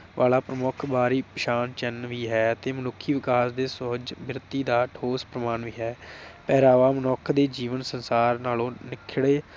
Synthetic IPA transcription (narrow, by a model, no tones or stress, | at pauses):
ʋʔa̰ːlaːpɾəmʊkʰbaːɾiːpəʃaːnt͡ʃɛnʋiːɦɛːt̪eːmənʊkʰːiːʋɪkaːsd̪eːsʊɦd͡ʒbɪɾɪt̪ːiːd̪aːʈʰoːspɾəmaːnʋiːɦɛːpɛːɾaːʋaːmənɔːkʰd̪eːd͡ʒiːʋənsənsaːɾnaːlõːnɪkʰːɪɽeː